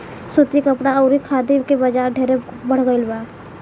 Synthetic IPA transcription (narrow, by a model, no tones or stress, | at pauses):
sut̪ikəpɽaɔʊɾikʰaːd̪imkebəd͡ʒaːɾɖʱeːɾebəɽ̤ɡəɪlbaː